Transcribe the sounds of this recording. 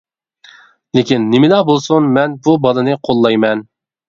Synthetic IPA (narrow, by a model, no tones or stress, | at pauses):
lɪkʲinːɪmɪlɑbolˠsunmɛnbubɑlˠɨnɨqʰolˠːɑjmɛn